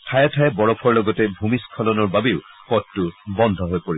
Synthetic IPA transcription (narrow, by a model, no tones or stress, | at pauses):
tʰajɔtʰajɛbɔɹɔpʰɔɹlɔɡɔtɛbʱumiskʰɔlɔnɔɹbabeʊpɔtːubɔnd̪ʱɔɦojpoɹi